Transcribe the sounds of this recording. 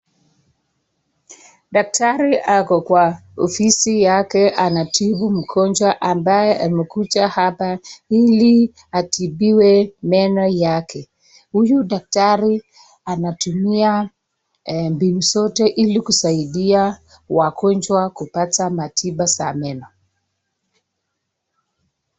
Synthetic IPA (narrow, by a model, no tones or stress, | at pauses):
ɗak̚taɾiʔakɔkwaɔfisijakɛʔanatʰiɓum̩kʰɔnd͡ʒwaʔambajɛʔamɛkut͡ʃahapaili | atʰiɓiwɛmɛnɔjakʰɛ | hujuɗak̚taɾi | anatumia | mbinusɔtɛʔilikusaiɗia | wakɔnd͡ʒwakupatamatʰiɓasa̰mɛnɔ